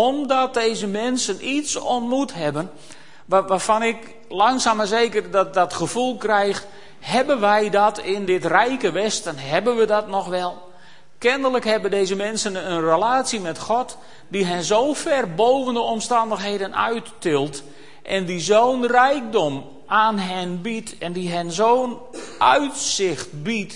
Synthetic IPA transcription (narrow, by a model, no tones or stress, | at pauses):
ɔmdɔt̚dejzəmɛnsənitsɔntmutɦɛbən | ʋaːfɑnɪk | lɑŋsaːməzejkərdɔt̚dɔtχəfulˠkrɛjx | hɛbənʋɛjdɔtɪndɪtrɛjkəʋɛstənɦɛbənʋədɔtnɔxʋɛlˠ | kɪndələkhɛbədejzəmɛnsənənrəlaːtsimɛtχɔt | diɦɛnzowfɛrbowvəndəɔmstɑndəxɦejdənœ̰ɥtː | ɪlˠt | ʔɛndizoːnrɛjk̚dɔm | aːnɦɛnbitɛndiɦɛnzown | ʔœɥtsɪxt̚bit